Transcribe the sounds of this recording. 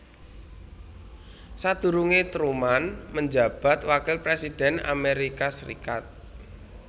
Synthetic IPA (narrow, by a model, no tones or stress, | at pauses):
sad̪̥ṳɾuŋet̪ɾumanməɲd͡ʒa̤b̥a̤t̪wakɪlpɾesid̥ɛ̤na̰meɾikasəɾḭkat̪̚